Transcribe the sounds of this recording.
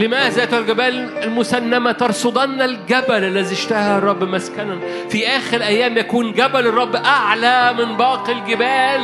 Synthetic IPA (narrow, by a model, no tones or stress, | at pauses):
lɪmæːzæːt̪hælɡæbæːlɪlmʊsænːæmæt̪ɑɾˤsod̪ˤɑnːælɡæbælælːæziʃt̪æhærˤːɑbːmæskænæ | fiʔæːxɪɾʔæjːæːmjækuːnɡæbælrˤːɑbːʔaʕlæmɪnbɑːqilɡɪbæːl